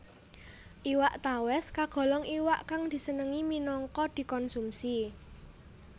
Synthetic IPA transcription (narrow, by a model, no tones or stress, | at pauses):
ʔiwaʔt̪awɛskaɡ̥ɔ̤lɔŋiwaʔkaŋd̪̥i̤sənəŋiminɔŋkɔd̪̥i̤kɔnsumsi